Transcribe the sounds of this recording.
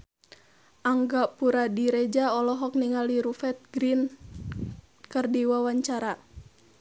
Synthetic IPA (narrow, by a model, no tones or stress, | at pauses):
ʔaŋɡapuɾadiɾɛd͡ʒaɔlɔɦɔk̚niŋaliɾufɛt̪̚ɡɾin | kɨrdiwawaɲt͡ʃaɾa